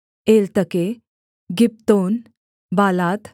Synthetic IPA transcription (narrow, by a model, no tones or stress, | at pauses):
elt̪əke | ɡip̚t̪on | balat̪